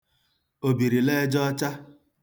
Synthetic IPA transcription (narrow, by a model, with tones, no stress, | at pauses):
o˨bi˨ɾi˨le˦d͡ʒɔ˦t͡ʃa˦